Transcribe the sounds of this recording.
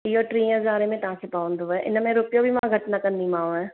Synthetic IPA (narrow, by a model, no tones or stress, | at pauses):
ioːʈɾĩːəzaːɾemẽt̪ɐɦãːkepaːʋ̃nd̪oɛʔɪ̰nmẽɾʊpjobʱimãɡʱɐʈnakɐ̃nd̪imãːũɛː